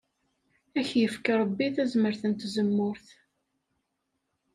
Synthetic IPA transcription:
æçjəfkaɾˤəbːiθæzməɾθənt̪zəmːʊɾθ

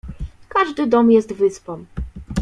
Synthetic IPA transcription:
kaʐd̪ɘd̪ɔmjɛst̪vɘspɔm

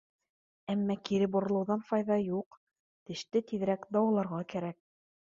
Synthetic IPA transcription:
æmːækiɾɘbŏɾɤ̆lˠɤ̆wðɑnfɑjðɑjuq | t̪ɘ̆ʃt̪ɘt̪iðɘ̆ɾækd̪ɑwɤ̆lˠɑɾʁɑkæɾæk̚

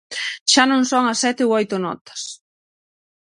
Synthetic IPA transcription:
ʃanõŋsoŋɐsːɛt̪ɪoojt̪ʊnɔ̰t̪ɐ̥s

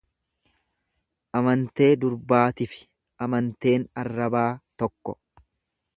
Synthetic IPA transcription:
ʔɐmɐnt̪e̞ːd̪ʊɾbaːt̪ɪfɪ̥ | ʔɐmɐnt̪e̞ːnɐrːɐbaːt̪ɔkːɔ

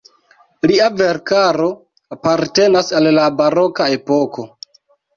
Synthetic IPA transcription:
ɾiave̞ɾkaɾo̞ | apaɾte̞nasallabaɾo̞kae̞po̞ko̞

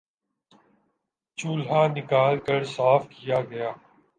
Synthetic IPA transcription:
t͡ʃuːlaːnɪkaːlkəɾsaːfkɪjaːɡɐjaː

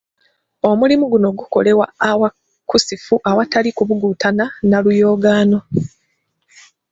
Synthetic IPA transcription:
o̞mulimuɡuno̞ɡuko̞̰le̞waːwa | kusifuʔawatalikuβuɡuːtananalujo̞ːɡaːno̞

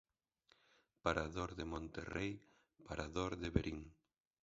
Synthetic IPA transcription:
paɾaðoɾðɪmõnt̪erej | paɾʔaðoɾðɪβeɾʔiŋ

